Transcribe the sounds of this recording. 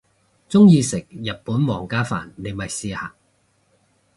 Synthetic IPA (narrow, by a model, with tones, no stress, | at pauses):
t͡sʊ˥ŋjiː˧sɪ˨˩k̚jɐ˨t̚puː˨˥nwɔː˨˩ŋkaː˥fa̰ː˨˩nːe˨˧mɐ˨jsiː˧ha̰ː˨